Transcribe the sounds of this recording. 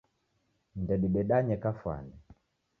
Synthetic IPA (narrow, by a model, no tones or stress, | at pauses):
ndɛɗiɓɛɗaɲɛkafwa̰nɛ